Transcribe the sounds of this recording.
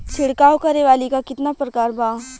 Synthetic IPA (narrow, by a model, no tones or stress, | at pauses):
t͡ʃʰɪɽkaːwokɐɾeʋaːlikakɪt̪napɾɐkaːɾbaː